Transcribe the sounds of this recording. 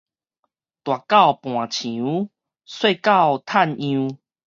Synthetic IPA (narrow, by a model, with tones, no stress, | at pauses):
t̪wa˨˩ka˥˧˨wpw̃ã˨˩t͡ɕʰĩ˨˦ | swe˥˧ka˥˧˨wt̪ʰa˥˧˨nĩ˧